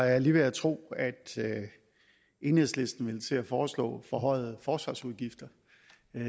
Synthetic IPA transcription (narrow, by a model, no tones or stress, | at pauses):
ɑjɑliːʋeæt͡sʰʁo̝̰ːæd̥ | e̝nheðˠsle̝sd̥n̩ʋe̝lt͡sʰe̝æfɒːslɔ̰̽ːfɒɦɒ̽ɪ̰ð̩ˠfɒːsʋɑ̈suðˠɡ̥ifd̥ɐ